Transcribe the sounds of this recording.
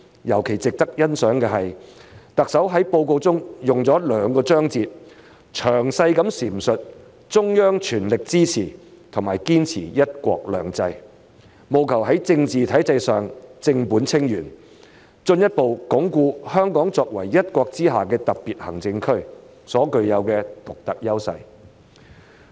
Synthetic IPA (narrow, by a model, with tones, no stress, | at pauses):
jɐ˨˩wkʰe˨˩jt͡sɪ˨k̚t̪ɐ˥k̚jɐ˥nsœː˨˥ŋkɛː˧ɦɐ˨jt̪ɐ˨k̚sɐ˨˥wɦɐ˨˥jpo˧wko˧wt͡sʊ˥ŋjʊ˨ŋt͡sɔː˨˥lœː˨˧ŋkɔː˧t͡sœː˥ŋt͡siː˧t̚ | t͡ʃʰœː˨˩ŋsɐ˧jkɐ˨˥msiː˨˩m̩sɵ˨t̚ | t͡sʊ˥ŋjœː˥ŋt͡ʃʰyː˨˩nlɪ˨k̚t͡siː˥t͡sʰiː˨˩ | t̪ʰʊ˨˩maː˨˩jkiː˥nt͡sʰiː˨˩jɐ˥t̚kʷɔ̰ː˧k̚lœː˨˩ŋt͡sɐ˧j | mo˨wkʰɐ˨˩wɦɐ˨˥jt͡sɪ˧ŋt͡siː˨t̪ʰɐ˨˥jt͡sɐ˧jsœː˨ŋt͡sɪ˧ŋpuː˨˥nt͡sʰɪ˥ŋjyː˨˩n | t͡sɵ˧njɐ˥t̚po˨wkʊ˨˥ŋkuː˧hœː˥ŋkɔː˨˥ŋt͡sɔː˧k̚wɐ˨˩jːɐ˥t̚kʷɔː˧k̚t͡siː˥ɦaː˨kɛː˧t̪ɐ˨k̚piː˨t̚hɐ̰˨˩ŋt͡sɪ˧ŋkʰɵ˥ɥ | sɔː˨˥kɵ˧ɥjɐ˨˧wkɛː˧t̪ʊ˨k̚t̪ɐ˨k̚jɐ˥wsɐ̰˧j